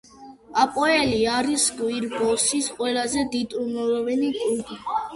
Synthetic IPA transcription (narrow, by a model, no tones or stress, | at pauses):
apʼɔɛliaɾiskʼwiɾbɔsisqʼwɛlazɛd̪id̪ʼumɔɾɔvɛnikʼuɡi